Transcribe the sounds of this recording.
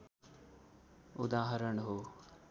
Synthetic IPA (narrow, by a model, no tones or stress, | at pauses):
ʊd̪aːɦəɾəɳɦoː